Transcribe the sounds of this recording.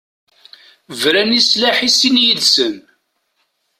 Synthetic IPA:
vɾænislaħisinjəd̪səm

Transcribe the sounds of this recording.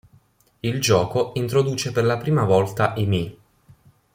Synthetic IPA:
ild͡ʒɔːkoint̪ɾod̪uːt͡ʃeperlapɾiːmavɔlt̪aʔimi

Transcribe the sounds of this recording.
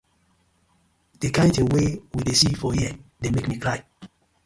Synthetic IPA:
d̥ekãɪ̃ntɔwewidesifɔjiədemekmiklaɪ

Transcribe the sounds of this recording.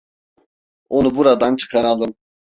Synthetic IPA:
o̞nubuɾad̪ant͡ʃʰɯ̥kʰaɾalˠɯm

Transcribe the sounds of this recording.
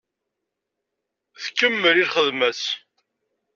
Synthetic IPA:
θkːəmːəɾiɾχəðmæs

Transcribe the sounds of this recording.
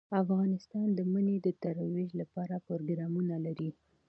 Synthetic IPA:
afɣɑnɪst̪ɑnd̪əməned̪ət̪aɾwiʒlapɑɾapoɾoɡɾɑmunalaɾi

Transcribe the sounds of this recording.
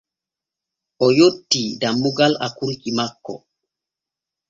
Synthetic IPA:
ʔɔjotːidamːuɡalakuɾkimakːɔ̰

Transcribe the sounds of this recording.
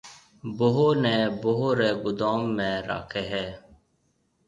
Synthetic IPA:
bʊɦoːneːbʊɦoːɾeːɡʊd̪aːmːẽːɾa̰ːkʰeːɦɛː

